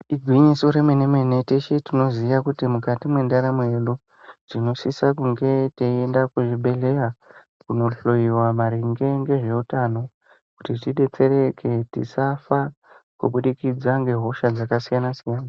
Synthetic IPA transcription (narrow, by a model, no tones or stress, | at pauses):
iɡʱwiɲiso̞ɾe̞menemene̞teʃetino̞zijakutimukatimwe̞ndaɾamoe̞ɗu | tino̞sisakuŋɡe̞teiendakuʐiɓe̞le̞ra | kuno̞ɬo̞jiwamaɾiŋɡeŋɡe̞ʐe̞utano̞ | kutitiɗe̞t͡se̞ɾe̞kʰe̞tḭsafa | kṵɓuɗikid͡zaŋɡe̞ɦo̞ʃad͡zakasijanasijaːna